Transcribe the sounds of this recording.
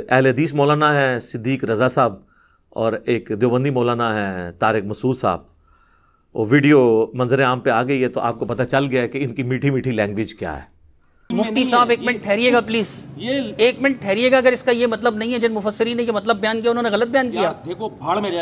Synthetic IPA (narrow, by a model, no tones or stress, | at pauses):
ɛɦleɦɐd̪iːsmɔːlaːnaɦɛsɪd̪ːiːkɾɐzasaːb | ɔːɾeːkd̪joːbə̃nd̪ʱimɔːlaːnaɦɛt̪aːɾɪkmɐsuːd̪sa̰ːb̚ | ɔ̰ːʋiːɖijomɐ̃nzəɾẽaːmpeaːɡɐiɦɛt̪oʔa̰ːp̚kopɐt̪at͡ʃɐlɡɐjaɦɛkeɪnkimiːʈʰimiːʈʰilɛ̃ːŋɡʋɪd͡ʒkja̰ːɦɛ̰ː | mʊft̪isaːbeːkmɪ̃ɳʈʈʰɛːɾieːɡapliːzeːkmɪ̃ɳʈ̚ʈʰɛːɾieːɡaɐɡəɾɪskajemɐt̪ləbnɐɦĩɦɛd͡ʒɪnmʊfəsːɪɾiːnejemɐt̪ləbːjaːnkijaʊnɦõːneɣɐlət̪̚bɪjaːnkijaːekː